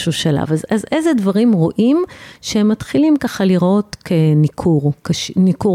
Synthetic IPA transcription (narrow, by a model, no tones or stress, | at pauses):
ʃuʃala̰vazazezedvaʁimʁo̞ʔimʃehemːat̪χilimkaχaliʁo̞tkʰenikʰuʁkʃniku